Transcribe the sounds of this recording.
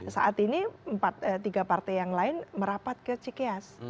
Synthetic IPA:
saʔat̪iniəmpat̪̚ət̪iɡapart̪ɛjaŋlaɪnməɾapat̪̚kiɔt͡ʃikeas

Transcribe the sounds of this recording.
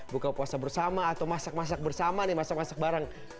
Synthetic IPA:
bukapuasabərsamaːt̪awmasak̚mas̬ak̚bərsamanɪmasak̚masak̚baɾaŋ

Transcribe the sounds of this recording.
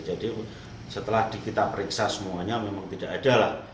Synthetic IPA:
d͡ʒadi | sət̪əlahd̥ikit̪apəɾiksasəmuaɲamemaŋt̪idaʔːdalah

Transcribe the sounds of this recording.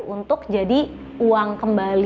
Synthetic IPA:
unt̪ʊk̚d͡ʒadi | uaŋkəmbal

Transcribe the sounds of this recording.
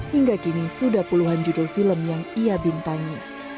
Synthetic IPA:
hiŋɡakinisudahpuluɦand͡ʒudofiləmjaŋiabint̪aŋi

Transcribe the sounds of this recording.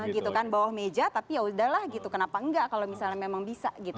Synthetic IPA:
ɡit̪ukanbawahmed͡ʒat̪apijaudahlahɡit̪ukənapaəŋɡaʔkalomisalɲamemaŋbisa̰ɡit̪u

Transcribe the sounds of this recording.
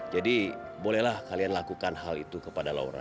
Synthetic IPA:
d͡ʒadibolɛhlahkalianlakukanɦalḭt̪ukəpadala̰ṵɾa̰

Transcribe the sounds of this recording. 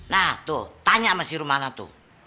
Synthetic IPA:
nat̪ut̪aɲamasiɾumanat̪ṵ

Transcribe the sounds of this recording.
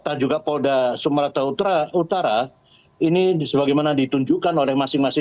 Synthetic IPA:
t̪ad͡ʒuɡapodasumɾat̪aut̪ɾaut̪aɾa | inisəbaɡajmanadit̪uɲd͡ʒukanolɛhmasɪŋmasɪ

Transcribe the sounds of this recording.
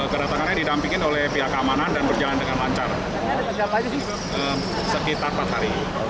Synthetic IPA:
kədat̪aŋanɲadidampiŋɪnolɛhpiɦakəamanandanbərd͡ʒalandəŋanlaɲt͡ʃar | a | d͡ʒapad͡ʒ | əm | səkit̪arpat̪haɾi

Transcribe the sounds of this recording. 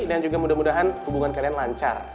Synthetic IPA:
iniand͡ʒuɡamudahmudaɦanhubuŋankalianlaɲt͡ʃa̰r

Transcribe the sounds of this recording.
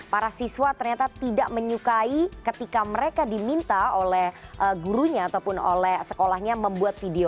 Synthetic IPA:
paɾasiswat̪ərɲat̪at̪idaʔməɲukaikət̪ikaməɾekadimint̪aolɛhʔəɡuɾuɲaːt̪aupʊno̰lɛhsəkolahɲaməmbuat̪̚fideo

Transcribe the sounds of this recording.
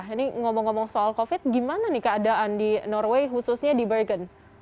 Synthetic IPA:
ɦiniŋɔmɔŋːɔmɔŋsoalkofɪt̪̚ɡimananɪhkəːdaʔandinɔrweɦususɲadibəɡən

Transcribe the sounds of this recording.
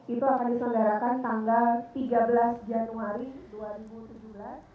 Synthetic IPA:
it̪uakandisəŋdaɾakant̪aŋɡalt̪iɡabəlasd͡ʒamnuŋaɾiduaɾibut̪ud͡ʒubəlas

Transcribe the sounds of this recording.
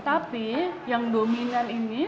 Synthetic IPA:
t̪apijaŋdominanini

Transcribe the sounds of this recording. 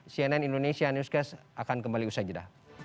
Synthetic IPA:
siɛnɛnindonesianuskasakankəmbaliusad͡ʒəda̰

